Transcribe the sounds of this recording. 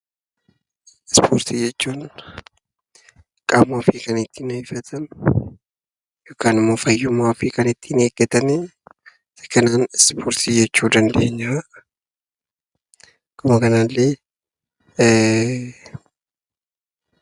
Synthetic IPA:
spʰoːɾt̪ʰid͡ʒɛt͡ʃːuːn | kʼaːmaːfikɐnɪt̪ːiːnɐhɪfɐt̪ʰɐn | joːkaːnɪmːo̞ːfɐjːʊmːaːfikɐnɪt̪ʰːineːɡɛt̪ɐne | sɐ̥kɐnaːnspʰoːɾt̪id͡ʒɛt͡ʃːuːd̪ɐnd̪eɲːɐɾɐ | kʊmɐkɐnalːeː

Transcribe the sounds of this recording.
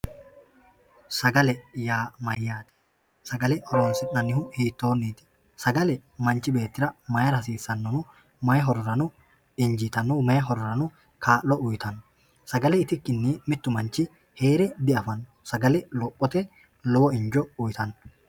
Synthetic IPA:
sɐɡɐlɛjaːmɐjːaːt̪ɪ̥ | sɐɡɐlɛʔɔɾoːnsɪʔɐnːɪhʊhiːt̪ːo̞ːnːiːt̪ɪ̥ | sɐɡɐlɛmɐnt͡ʃɪbe̞ːt̪ːɪɾɐmɐjɐɾɐs̬iːsːɐnːɔnʊ | mɐjɛɦɔɾɾɐnʊ | ɪɲd͡ʒɪt̪ɐnːumɐjɛɦɔɾɾɐnʊ | kaːlːɔʔʊjt̪ɐnːɔ | sɐɡɐlɛɪt̪ɪkːɪnːiːmɪt̪ːʊmɐnt͡ʃɪ | heːɾɛd̪ɪɐfɐnːɔsɐɡɐlɛlɔpʼːɔt̪ɛ | lɔbɔɪɲd͡ʒɔʊjt̪ʰɐnː

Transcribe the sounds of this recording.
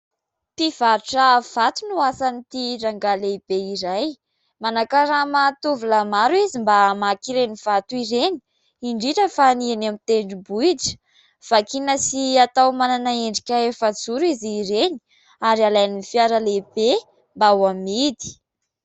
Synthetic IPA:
piv̥aɾuʈ͡ʂəv̥at̪unuasanit̪iraŋɡaleb̥eiɾaj | manakaɾamat̪uvulamaɾuizimbamakiɾeniv̥at̪uiɾeni̥ | iɳɖ͡ʐiʈ͡ʂəfanienamit̪eɳɖ͡ʐibuiʈ͡ʂə̥ | v̥akinəsiat̪awmananaeɳɖ͡ʐikʲaefəd͡zuɾiziɾeni̥ | aɾialajnifiaɾəlebe | mbawamid̪i̥

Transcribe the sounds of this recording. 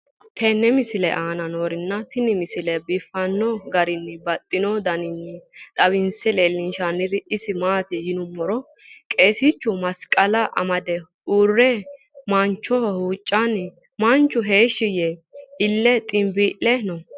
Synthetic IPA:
t̪ʰɛnːɛmɪsɪlɛ̰ʔaːnɐnoːɾɪnːɐt̪ɪnɪmɪsɪlɛbɪfːɐnːɔɡɐɾɪnːɪbɐt̪ʼːɪnɔd̪ɐnɪnːɪt̪ʼɐbɪnsɛle̞ːlːɪnʃanːɪɾɪʔɪsɪmaːt̪ɪjɪnʊmːɔɾɔ | kʼe̞ːsɪt͡ʃːʊmɐskʼɐlɐʔɐ̰mɐd̪ɛ | uːrːɛ | mɐnt͡ʃːɔhuːt͡ʃʼːan | mɐnt͡ʃːʊɦe̞ːʃːɪjɛɪlːɛt̪ʼɪmbiːʔɛnɔ

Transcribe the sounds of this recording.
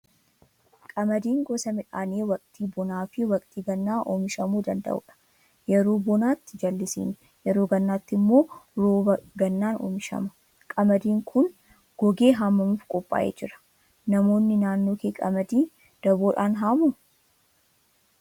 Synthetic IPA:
kʼɐmɐd̪iːŋɡɔsɐmɪᶑaːneːwɐkʼt̪iːbɔnaːfɪwɐkʼt̪iːɡɐnːaːʔo̰ːmɪʃɐmuːd̪ɐnd̪ɐ̰ʔʊ̰ᶑɐ̥ | jɛɾoːbɔnaːt̪ːɪd͡ʒɐlːɪsḭːn | jɛɾoːɡɐnːaːt̪ːɪmːo̞ːɾoːbɐɡɐnːaːno̰ːmɪʃɐ̰mɐ̥ | kʼɐmɐd̪iːŋkʰʊn | ɡ̥ɔɡe̞ːɦaːmːɐmuːfkʼɔpʼːa̰ːʔḛːd͡ʒɪɾɐ̥ | nɐmo̞ːnːɪnaːnːo̞ːkeːkʼɐmɐd̪iː | d̪̥ɐboːᶑaːnɦaːmʊ

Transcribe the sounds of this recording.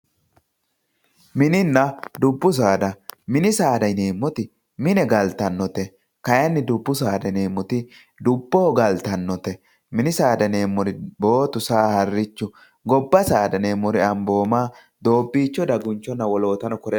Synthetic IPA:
mɪnɪnːɐd̪ʊbːʊs̬aːd̪ɐmɪnɪsaːd̪ɐjneːmːɔt̪ɪ | mɪnɛɡɐlt̪ɐnːɔt̪ɛ | kɐjɐnːɪd̪ʊbːʊsaːd̪ɐjne̞ːmːɔt̪ɪ | d̪ʊbːɔhɔɡɐlt̪ɐnːɔt̪ɛ | mɪnɪsaːd̪ɐneːmːɔɾɪbo̞ːt̪ʊsaːhɐrːɪt͡ʃːʊ | ɡɔbːɐsaːd̪ɐne̞ːmːɔɾɪɐmbo̞ːmaː | d̪o̞ːbːiːt͡ʃːɔd̪ɐɡʊnt͡ʃːɔnːɐwɔlo̞ːt̪ɐnɔkɔɾɛ

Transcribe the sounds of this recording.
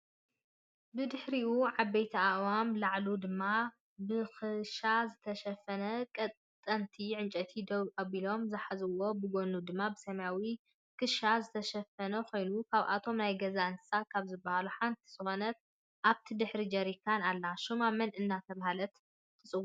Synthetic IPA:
bɨd̪ɨħɾiʔuʕabːejt̪ʰiawamlaʕlud̪ɨmːa | bɨxɨʃazɨt̪ʰɐʃɐfɐnɐkʼɐt̪ʼt̪ʼːɐnt̪ʰiʕɨnt͡ʃʼɐt̪ʰid̪oβʔɐβilo̞mzɨħazɨwo̞bɨɡo̞nud̪ɨmːabɨsɐmjawi | kʰɨʃazɨt̪ʰɐʃɐfɐnɐko̞jnukʰaβʔa̰t̪ʰo̞mnajɡɐzaɨnsakʰaβzɨbːɐhaluħant̪ʰi̥z̥ɨxo̞nɐt̪̚ | ʔaβt̪ʰid̪ɨħɾid͡ʒɐɾikʰːanalːaʃumamɐnʔɨnːat̪ʰɐβahalɐt̪ | kʰʼɨsʼɨwːu

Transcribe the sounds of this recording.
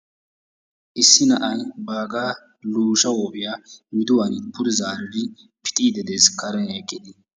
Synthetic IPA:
ʔɪsːɪnɐ̰ʔɐnbaːɡaː | luːʃɐwɔːpɪjamɪd̪ʊwɐnpʊɾɪzaːɾɪd̪ɪ | pɪ̥t̪ʼiːd̪ɛd̪eːskɐɾɐnɛkʼːɪd̪ɪ

